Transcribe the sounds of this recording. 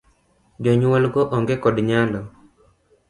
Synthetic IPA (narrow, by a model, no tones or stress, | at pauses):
d͡ʒɔɲwɔlɡɔʔɔŋɡekɔdɲalɔ